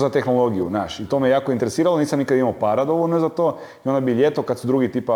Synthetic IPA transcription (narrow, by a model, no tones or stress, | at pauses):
zat̪exnolˠo̞ɡijṵznaːʃit̪omejejaːkoint̪eɾesiːɾaloniːsamnikad̪aimaopaːɾad̪o̞ʋolnozat̪oː | io̞nd̪abiʎet̪okad̪sud̪ɾuːɡit̪iːpa